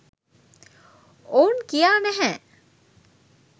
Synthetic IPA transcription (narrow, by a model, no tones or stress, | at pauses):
ounkijaːnɛɦɛː